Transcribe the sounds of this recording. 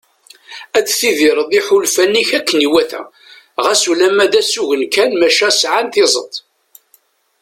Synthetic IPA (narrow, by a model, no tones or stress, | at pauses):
æt͡sːθiðɪɾˤəðˤiħulfænːiçækːəniwæθæ̰ | ʁæsulæmæd̪æsuʝənkænmæʃæsʕanθɪzˤə̰t̪ˤ